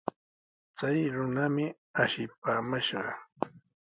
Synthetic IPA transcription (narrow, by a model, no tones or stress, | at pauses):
t͡sajɾʊnamɪ | aʃɪpaːmaʃɢɑ̰